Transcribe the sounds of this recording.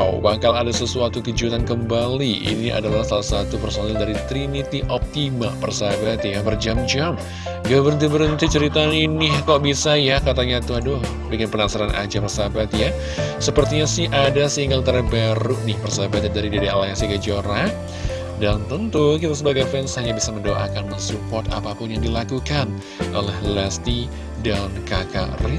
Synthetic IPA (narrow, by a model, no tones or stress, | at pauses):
bakaladasəsuat̪ukəd͡ʒut̪ankəmbaliḭniʔa̰dalahsalasat̪upərsonaldaɾit̪ɾinit̪iʔɔp̚t̪ima̰pərsabat̪jabərd͡ʒamd͡ʒam | ɡabəɾnt̪ibəɾənt̪it͡ʃəɾit̪aninɪhkaʔbisajakat̪aɲat̪uadʊ | bikɪnpənasaɾanʔa̰d͡ʒapərsabat̪ja | səpərt̪iɲasɪhʔadasiŋɡaŋt̪ərbaɾuʔnɪhpərsabat̪̚adaɾidedealaasikəd͡ʒoɾa | dant̪ənt̪ukit̪as̬əbaɡajfɛnshaɲabisaməndoʔa̰kanmənsupɔt̪a̰papʊnjaŋdilakukan | ʔo̰lɛhlɛst̪i | dankaka̰rɪ